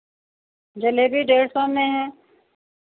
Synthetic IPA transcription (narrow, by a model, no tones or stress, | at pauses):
d͡ʒɐlebʱiɖeːɾsɔmẽɦɛ̃ː